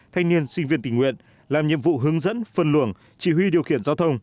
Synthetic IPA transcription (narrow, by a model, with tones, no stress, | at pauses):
t̪ʰa˧jŋ̟ni˧ənsï˧ŋ̟vi˧ənt̪ï˧˩ŋwḭ˧˨ən | laː˨˩mɲḭ˧˨əmvṵ˧˨ɦɨ˨˦əŋzə̰˧˥nfə˧˩nlɨ̰˧˩əŋ | t͡ɕi˧˩ɦwi˧ɗi˨˩əwxḭ˧˩ənzaː˨˧wt̪ʰə˧wŋ͡m